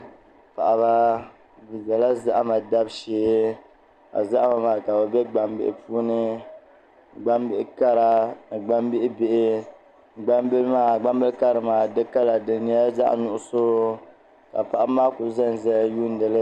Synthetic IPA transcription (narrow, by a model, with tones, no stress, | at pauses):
pa˨ʔa˨βa˦ | bi˨za˨la˦za˦ʔa˦ma˨da˦bʃeː˦ | a̰˨za˦ʔa˦ma˨ma˨ka˨bɛ˨bɛ˦ɡ͡ba˨mbɪ̰˦ʔɪ̰˦puː˦nɨ˦ | ɡ͡ba˦mbɪ˦ka˦ɾa˨ɡ͡ba˦mbɪ˦ʔɪ˦bɪ˦ʔɪ˦ | ɡ͡ba˦mbɨ˦lmaː˦˨ɡ͡ba˦mbɨ˦lka˦ɾɨ˨maː˨dɨ˦ka˦la˨dɨ˨ni˦a˦za̰˦ʔnʊ˦˨ʔʊ˦so˦ | ka˨pa˨ʔa˨˦maː˦kʊ˨˦zɛ˦n˨zɛ˦˨˦ju˦n̩˦dɨ˨lɨ˦